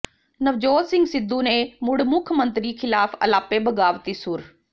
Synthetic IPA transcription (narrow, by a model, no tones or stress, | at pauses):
nɐʋd͡ʑoːtsɪ̃ŋɡsɪd̪unemʊɽmʊkʰmə̃nt̪ɾixɪlaːfɐ̰laːpebʱɐɡaːʋt̪isuɾ